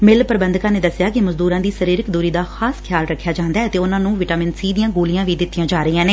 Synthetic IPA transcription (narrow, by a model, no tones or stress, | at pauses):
mɪlpəɾbə̃nd̪kãːneːd̪əsɪjaːkɪməzd̪uːɾãːd̪iːsəɾiːɾɪkd̪oːɾiːd̪aːxaːskʰɪjaːlɾəkʰːjaːd͡ʒãːnd̪aɛːət̪eːʊnãːnũːʋɪʈaːmɪnsiːd̪ijãːɡoːlijãːʋiːd̪ɪt̪ːijãːd͡ʒaːɾəiːãːneː